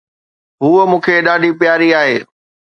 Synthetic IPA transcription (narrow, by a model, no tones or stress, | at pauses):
ɦuːəmũːkʰeɗaːɖʱipjaːɾiaːɦeː